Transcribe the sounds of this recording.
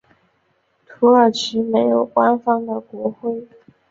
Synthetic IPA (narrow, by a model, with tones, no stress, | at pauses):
t̪ʰu˧˥ə˞˨˩ʈ͡ʂʰɻ̩˧˥me˧˥ɪjo˨˩ʊkwa˥nfɑ˥ŋd̪ə˨kwɔ˧˥xwe˥ɪ